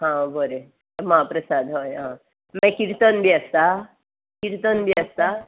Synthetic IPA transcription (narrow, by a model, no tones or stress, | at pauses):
ɦãbəɾe | məɦapɾəsad̪ɦojɦã | mɛ̃kiɾt̪ənbiəst̪a | kiɾt̪ənbʱiəst̪a